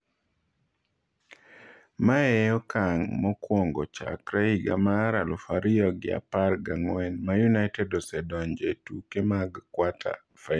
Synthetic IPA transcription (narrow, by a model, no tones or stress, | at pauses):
maɛjɔkaŋmɔkwoŋɡɔ̰t͡ʃa̰kɾɛiɡa̰maːɾalufaɾiɔɡɪ̰a̰parɡaŋwɛnmajunaɪtɛdɔsɛdɔnd͡ʒetukemaɡkwatʰa̰ | fa